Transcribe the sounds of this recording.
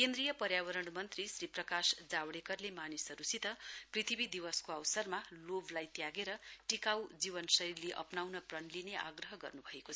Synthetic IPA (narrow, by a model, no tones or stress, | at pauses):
kend̪rɾijʌpʌɾjabʌɾʌɽ̃mʌnt̪risriprʌkasd͡zawɽekʌrlemanisʌɾusit̪ʌprit̪ʰibid̪iwʌskoawsʌrmaloblajt̪jaɡeɾʌʈikawd͡ziβʌnsʌirleʔʌ̰pnawnʌprʌnlineʔa̰ɡrʌɦʌɡʌ̰rnubʱʌekot͡sʰʌ